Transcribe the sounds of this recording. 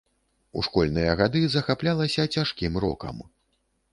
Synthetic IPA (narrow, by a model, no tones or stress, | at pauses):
ṵʂkɔlʲnɨjɐɣad̪ɨzɐxaplʲalˠɐsʲɐt͡sʲaʂkʲimɾɔ̰kɐ̰m